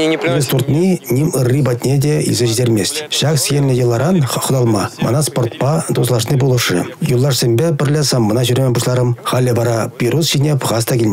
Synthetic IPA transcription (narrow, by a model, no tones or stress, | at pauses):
ɡʲest̪ʰurt̪nʲinʲimərʲːibɑt̪ʲnʲed̪ʲejḭzʒizeɾmest̪ʃɑksʲenʲnʲejʲəlˠːɑɾɑnχʊd̪ɑlˠmɑmə̰nɑspo̞rt̪pɑd̪oslˠɑʃənebolˠuʃə̰julˠːɑʃsʲembebɪrlʲesɑmːənɑʒʏɾʲmebuʃlˠɑɾəmχɑlʲːebɑɾɑpʲiɾusʒ̥enʲepʁɑst̪ɑkʲelʲnʲe